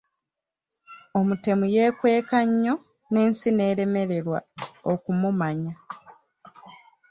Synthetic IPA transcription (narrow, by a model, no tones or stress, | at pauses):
o̞mute̞muje̞ːkwe̞ːkaɲːo̞ | ne̞ːnsine̞ːɾe̞me̞ɾe̞ɾwa̰okumumaɲa